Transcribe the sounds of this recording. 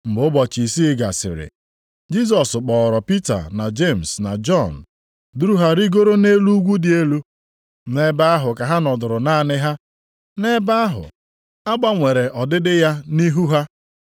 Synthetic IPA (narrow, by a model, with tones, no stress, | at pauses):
m̩˨bʊ˦bɔ˨t͡ʃi˨si˦ɡa̰˨sɪ̰˨ɾɪ̰˨ | d͡ʒi˦s̬ɔ˨sk͡pɔ˨ɾɔ˨pi˦ta̰˨na˨d͡ʒe˦˨m̩˨sna̰˨d͡ʒɔ˦˨n̩˨ | du˦ɾu˦ɦa˦ɾi˦ɡo˦ɾo˦ne˦lu˦ɡʷu˦dɪ˦e˦lu˦ | ne˦ba˦a˦ɦʊ˨ka˨ɦa˦nɔ˨dʊ˨ɾʊ˨na˦˨nɪ˦ɦa˦ | ne˦ba˦a˦ɦʊ̰˨ | a˦ɡ͡ba˦ŋʷe˨ɾe˨ʔɔ˨dɪ˦dɪ˦ja˦ni˦ɦu˦ɦa˦